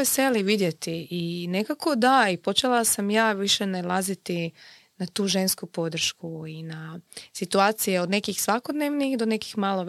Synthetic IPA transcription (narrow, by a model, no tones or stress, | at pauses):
eseliʋid̪je̞t̪iːne̞kako̞d̪aipo̞t͡ʃelˠasamjaːʋiʃe̞nelˠazit̪i | nat̪uːʒe̞nskupo̞d̪r̩ʃkuinasit̪uaːt̪sijeo̞d̪ne̞kixsʋako̞d̪neʋnixd̪one̞kixmalˠo̞